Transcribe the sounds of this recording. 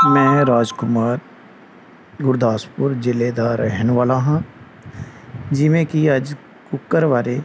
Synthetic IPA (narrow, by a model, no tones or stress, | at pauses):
mɛ̃ːɾaːd͡ʒkʊmaːɾ | ɡʊɾd̪ʱaːspʊɾd͡ʒɪled̪aːɾəɦənʋaːlaɦã | d͡ʒɪmẽkiɐd͡ʒ | kʊkːəɾʋaːɾe